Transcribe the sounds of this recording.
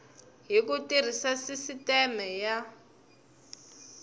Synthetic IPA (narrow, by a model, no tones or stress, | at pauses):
ɦikutir̤isasisitɛmɛja